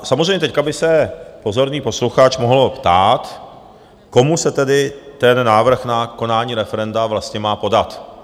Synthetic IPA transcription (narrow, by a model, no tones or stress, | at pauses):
samozrejmɲɛt̪ɛckabɪsɛpo̞zo̞ɾniːpo̞sluxat͡ʃmoɦlpt̪aːt̪ | ko̞musɛt̪ɛdɪt̪ɛnːaːvr̩xnako̞naːɲiːɾɛfɛɾɛndavlast̪ɲɛmaːpo̞dat̪